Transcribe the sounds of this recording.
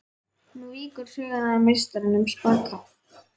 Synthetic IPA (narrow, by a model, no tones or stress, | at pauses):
nuiːkʏɾ̥sʏðaðaamejst̪aɾɪnʏmspaːka